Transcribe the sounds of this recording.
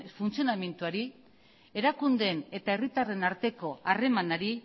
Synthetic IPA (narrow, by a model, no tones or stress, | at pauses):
funt͡sio̞name̞nt̪uaɾi | e̞ɾakund̪e̞ne̞t̪ae̞rit̪are̞naɾt̪e̞ko̞are̞manaɾi